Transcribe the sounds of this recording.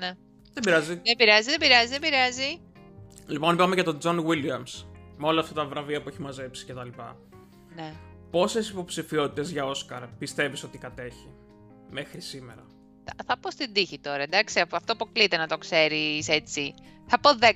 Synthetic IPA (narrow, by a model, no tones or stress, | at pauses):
ne | ðebiɾɐziðebiɾɐzizðebiɾɐzizðebiɾɐzi | lipo̞nipɐameʝɐt̪o̞d͡zo̞nwiliɐmsmeo̞lɐːft̪ɐt̪ɐvɾɐviɐpueçimɐze̞psi̥cet̪ɐlipɐ̰ | ne | po̞sesipo̞psifiot̪i̥t̪e̞zʝɐo̞skɐɾpist̪e̞viso̞t̪ikɐt̪e̞çi | me̞xɾisime̞̰ɾɐ̰ | ɐθɐpo̞st̪id̪içit̪o̞ɾɐd̪ɐksiɐpɐft̪opuklit̪enɐt̪o̞kse̞ɾise̞t͡si | θɐpo̞ðe